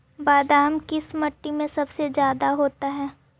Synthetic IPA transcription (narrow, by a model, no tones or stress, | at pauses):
baːd̪aːmkiɪsmɐʈːimẽsɐbsezjaːd̪aɦoːt̪aɦɛː